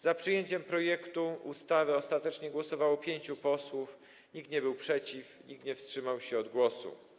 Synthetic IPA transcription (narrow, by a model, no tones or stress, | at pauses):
zapʂɘjeɲt͡ɕɛmpɾɔjɛkt̪uṵst̪avɘɔst̪at̪ɛt͡ʂɲɛɡwɔsɔvawɔpʲjeɲt͡ɕupɔswuf | ɲikt̪ɲɛbɘwpʂɛt͡ɕifɲikt̪ɲɛfstʂɘmawɕɛɔd̪ɡwɔsṵ